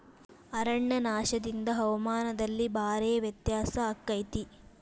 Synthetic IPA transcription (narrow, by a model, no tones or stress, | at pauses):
ɐɾɐɳːɐnaːʃɐd̪ind̪ɐɦɐʋɐmaːnɐd̪ɐlːibʱaːɾeːɐʋjɐt̪jaːsɐːkːɐjt̪i